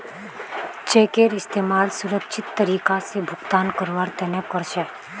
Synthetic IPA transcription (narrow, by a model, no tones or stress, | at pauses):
t͡ʃeːkeːɾɪst̪eːmaːlsʊɾəkʃɪt̪ːəɾiːkasebʱʊkt̪aːnkəɾʋaːɾt̪ɛnekːɔɾʃɛ